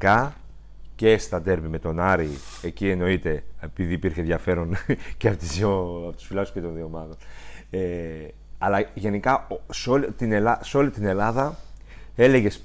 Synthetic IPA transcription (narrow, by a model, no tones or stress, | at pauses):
kɐ | ce̞st̪ɐd̪e̞ɾvime̞t̪o̞nɐɾiecie̞no̞it̪e̞epiðiːpiɾçe̞ðʝɐfe̞ɾo̞nceɐpot̪izoɐpot̪u̥sfilɐku̥scet̪o̞nðio̞mɐt̪o̞ne | ɐlɐʝe̞nikɐsolit̪inelɐseo̞lit̪ine̞lɐðɐ | e̞le̞ʝe̞s